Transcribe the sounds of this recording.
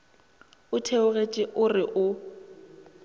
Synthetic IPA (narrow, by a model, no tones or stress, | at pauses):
ʊtʰeʊɣet͡ʃʼɪʔʊrɪʔʊ